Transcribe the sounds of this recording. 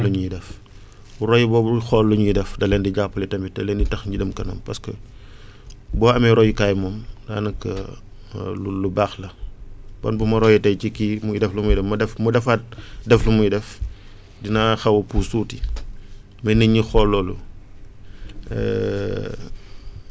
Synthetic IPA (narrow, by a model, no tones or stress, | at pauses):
luɲujidɛf | uɾɔjibɔːbuxɔlːuɲujidɛfdɐlɛːndiɟapːɐlɛtɐmitɐlɛːnitɐxɲɟidəmkɐnɐ̰ːmpɐskə | bɔːɐmɛɾɔjikaːjmɔːmda̰ːnɐkːɐ̰ | lulubaːxlɐb̥ɔnbumɐɾɔjɛtɐjcikimujdɛflumujidɛmɐdɛfmudɛfat̚dɛflumujidɛf | dinaxɐwɐpusuːti | mɐnəɲixɔlːɔːlu | ɛ̰